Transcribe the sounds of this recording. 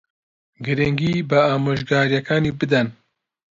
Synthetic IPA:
ɡɨɾɪŋɡiːbɨaːmoːʒɡaːɾjɛkʰaːniːbɨd̪ɛn

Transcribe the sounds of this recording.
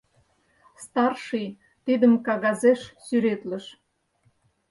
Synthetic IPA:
st̪ɑrʃɨj | t̪id̪əmkɑɣɑzeʃsyɾet̪lə̆ʃ

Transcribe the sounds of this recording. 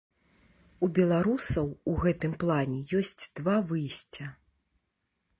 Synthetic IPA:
ubʲɛlˠaɾusɐwuɣɛt̪ɨmplˠanʲɛjɔsʲt͡sʲd̪̥vavɨjsʲt͡sʲɐ

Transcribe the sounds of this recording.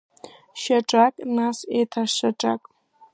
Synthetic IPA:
ʃaʈ͡ʂʼakʼnasetʰaʃaʈ͡ʂʼa̰kʼ

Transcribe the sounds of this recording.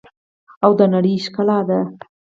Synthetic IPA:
awd̪ənaɽəjʃkalɑd̪a

